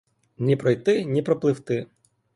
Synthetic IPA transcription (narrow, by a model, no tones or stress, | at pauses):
nʲipɾɔjt̪ɪnʲipɾɔplˠɪwt̪ɪ